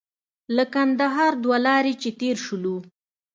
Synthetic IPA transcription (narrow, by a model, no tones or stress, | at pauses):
ləkand̪aɦɑɾd̪walɑɾet͡ʃet̪eɾʃulu